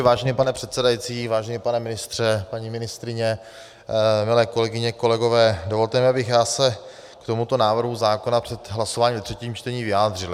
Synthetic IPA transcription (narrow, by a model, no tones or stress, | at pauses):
vaːʒɛnipanɛpr̝̥ɛt̪sɛdajit͡siːvaːʒɛnipanɛmɪnɪst̪r̝̥ɛpaɲimɪnɪst̪ɾɪɲɛ | mɪlɛːko̞lɛɡɪɲɛko̞lɛɡo̞vɛːdo̞vo̞lt̪ɛmɪabɪxjaːsɛ | kt̪o̞mut̪o̞naːvr̩ɦuzaːko̞napr̥ɛt̪ɦlasovaːɲiːvɛt̪r̥ɛciːmt͡ʃt̪ɛɲiːvɪjaːd̪r̝ɪl